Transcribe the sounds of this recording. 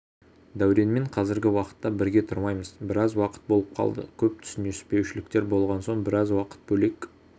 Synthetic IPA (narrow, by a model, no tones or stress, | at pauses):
d̪æwɾe̞nme̞ɴqʰɑzɪɾɡʲɪwɑqə̥t̪ːɑbɪɾɡʲe̞t̪ʰʊɾmɑjməzbɪɾɑzwɑqə̥t̪̚bo̞lˠəp̚qʰɑ̰lˠd̪ə̰kʲʰɵp̚t̪ʰʏ̥sɪnespe̞wʃɪlɪkt̪e̞ɾbo̞lˠʁɑnso̞ɴbɪɾɑzwɑqə̥t̪̚bɵle̞k